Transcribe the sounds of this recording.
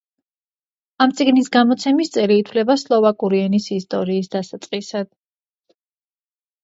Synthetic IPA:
amt̪sʼiɡnisɡamɔt̪sʰɛmist̪sʼɛliːt̪ʰvlɛbaslˠɔvakʼuɾiɛnisist̪ʼɔɾiːsd̪asat̪sʼqʼisad̪̥̚

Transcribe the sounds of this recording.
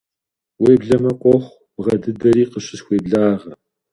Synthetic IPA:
weːbɮɐmɐkʷʼɔχʷ | bʁɐdɨdɐɾiːqəɕɪɕxʷeːbɮaːʁɐ

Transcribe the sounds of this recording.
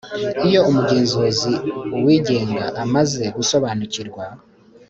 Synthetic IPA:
ijo̞umuɡe̞ːnzo̞ziwiːɟe̞ːŋɡaʔamaze̞ɡuso̞βaːnuciɾɡwa

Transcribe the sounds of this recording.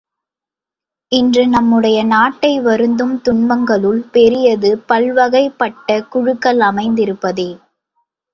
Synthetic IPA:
ɪndrɯnɐmːɯɽɐjɐnaːʈːɐɪʋɐɾɯnd̪ɯmt̪ʊɳbɐŋɡɐɭɯɭpɛɾɪjɐðɯpɐɭʋɐɣɐɪpːɐʈːɐkʊɻɯkːɐlɐmɐɪnd̪ɪɾɯpːɐðeː

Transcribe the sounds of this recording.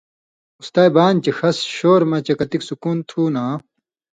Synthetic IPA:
ust̪aːjbaːnt͡ɕexɐsɕoːɾmɐt͡ɕɐkɐt̪iksukuːnt̪ʰuːnaː

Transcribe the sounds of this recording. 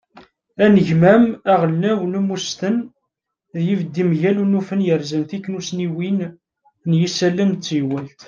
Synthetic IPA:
ænəʝmæmæʁəlːæwnumust̪ən | ðjivəd̪ːimʝælunufənjəɾzənθikːnusniwin | njisælːəmt͡sːjwælt̪

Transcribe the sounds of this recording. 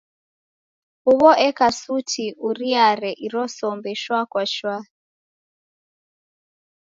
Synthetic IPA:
uβɔʔɛkasutʰiʔuɾiaɾɛʔiɾɔsɔmbɛʃwakwaʃwa

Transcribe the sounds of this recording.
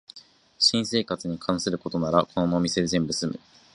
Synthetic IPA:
ɕĩɰ̃se̞ːkat͡sɨɲ̟ikʰãɰ̃sɨɾɯ̟ko̞t̪o̞naɾakʰo̞nonoːmʲise̞d̪ezẽ̞mbɯ̟sɨmɯ̟̰

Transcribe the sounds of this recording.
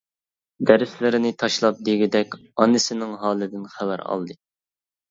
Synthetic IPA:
d̪ɛɾɪslɪɾɪnɪt̪ʰɑʃlˠɑp̚d̪eɡʲɪd̪ɛkʲɑnːɨsɪnɪŋɦɑːlˠɨd̪ɪnχæwæɾɑ̰lˠd̪ɨ

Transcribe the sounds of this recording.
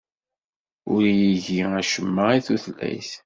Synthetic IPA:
ʊɾjiʝiæʃəmːəiθuθlæ̰jθ

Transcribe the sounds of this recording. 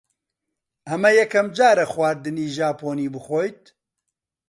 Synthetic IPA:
ʔɐmɐjɛkʰɐmd͡ʒaːɾɐxwaːɾd̪ɨniːʒaːpoːniːbɨxoːjt̪̚

